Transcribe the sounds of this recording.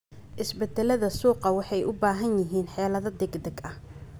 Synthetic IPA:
ʔɪsbɛd̪ɛlɐðɐsuːqɑwɑħɑjʔʊbaːɦɐnjɪɦiːnħɛːlɐðɐd̪ɛɡd̪ɛɡɐh

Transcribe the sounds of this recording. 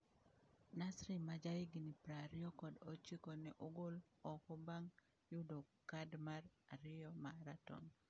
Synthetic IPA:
nasɾimad͡ʒaɪɡinipɾaɾɪjɔkɔdot͡ʃikɔnɛʔoɡolɔkɔbaŋ | jʊdokadmaraɾɪjɔmaɾatɔ̰ŋ

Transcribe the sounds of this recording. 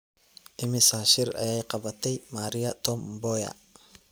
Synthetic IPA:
ʔɪmɪsaːʃɪrɐ̰jɛjqɑβɐt̪ʰɛjmaːɾɪjɐt̪ʰɔmbɔjɐ̰

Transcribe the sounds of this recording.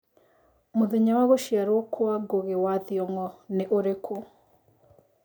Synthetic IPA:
moðeɲawaɣoʃiaɾwɔkʰwaɡoɣewaðiɔŋɔneʔoɾekʰo

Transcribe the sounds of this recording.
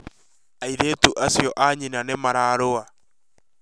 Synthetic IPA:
aiðetuʔasjɔʔaɲinanemaɾaːɾoa

